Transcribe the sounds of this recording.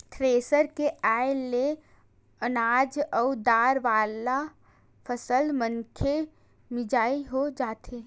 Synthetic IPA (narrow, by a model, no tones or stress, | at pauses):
tʰɾeːsəɾkeʔaːɪlːe | ənaːd͡ʒɔʊd̪aːɾʋaːla | fʰəsəlmə̃ŋkʰe | mɪd͡ʒaːiɦod͡ʒaːt̪eː